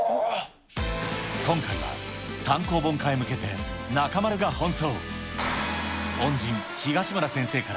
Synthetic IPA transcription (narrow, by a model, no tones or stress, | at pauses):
kõ̞ŋkaiβa̰ | t̪ãŋko̞ːbõ̞ŋkaimɯ̟ke̞t̪e̞ | nakamaɾɯ̟ɡahõ̞ɰ̃so̞ː | hõ̞ɲd͡ʑĩŋ | çiɡaɕimɯɾasẽ̞ɰ̃se̞ːkaɾa